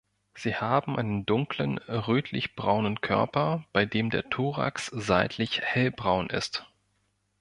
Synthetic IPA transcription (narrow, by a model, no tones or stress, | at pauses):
z̥iːhaːbm̩ʔaɪnəndʊŋklənʁøːtʰlɪçb̥ʁaʊnənkʰœ̰ɐpɐb̥aɪdeːmdḛːɐtʰuːʁa̰ksz̥aɪtʰlɪçhɛlbʁaʊnʔɪ̰st